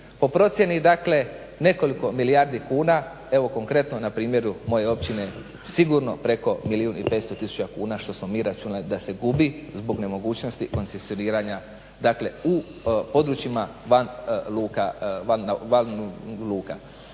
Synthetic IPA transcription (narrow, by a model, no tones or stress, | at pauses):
po̞pɾo̞t̪sje̞nid̪akle̞ | ne̞ko̞liko̞milijaɾd̪ikuːna | e̞ʋo̞ko̞ŋkɾe̞t̪no̞napɾiːmje̞ɾumo̞je̞o̞pt͡ɕine | siɡuɾno̞pɾe̞ko̞miliunḭpet̪st̪o̞t̪isu̥t͡ʃakuːnaʃt̪o̞smo̞miːɾat͡ʃunalid̪ase̞ɡubizbo̞ɡne̞mo̞ɡuːt͡ʃno̞st̪iko̞nsesio̞niːɾaɲa | d̪akle̞u | po̞d̪ɾut͡ʃimaʋanluːkaanʋanluːka̰